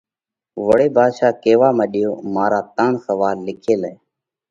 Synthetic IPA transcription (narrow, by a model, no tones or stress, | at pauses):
ʋəɽeːbʱaːd̪ʃaːkeːʋaːmeːɗɪjoːmaːɾaːt̪aːɳsəʋaːlːɪkʰeːlɛː